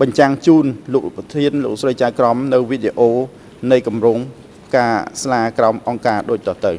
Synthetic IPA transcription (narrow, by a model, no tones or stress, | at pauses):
ɓɑɲt͡ɕaŋt͡ɕuːnloːkprɑt̪ʰiənloːk̚srəjt͡ɕaːjkrɑmnɨwʋiɗeʔoː | nɨjkɑmrʊːŋ | kaːslaːkraɔmʔɑŋkaːɗoːc̚t̪ɑːht̪ɨw